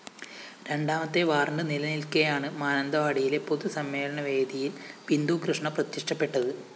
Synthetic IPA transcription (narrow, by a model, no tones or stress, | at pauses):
ɾe̞ɳɖaːmɐt̪ːe̞ʋaːrɳɖɨnilɐnilkɐjaːɳɨmaːnɐnd̪ɐʋaːɽijile̞po̞ðusɐmːe̞ːlɐɳɐʋe̞ːd̪ijilʋind̪ukrɨʂɳɐprɐt̪ːiʂʈɐpːe̞ʈːɐðɨ